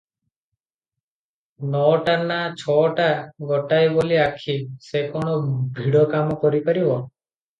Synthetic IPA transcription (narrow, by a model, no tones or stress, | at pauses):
nɔʈanat͡ʃʰɔʈaɡɔʈajboliakʰisekɔɽ̃ɔbʱiɽɔkamɔkɔɾipaɾibɔ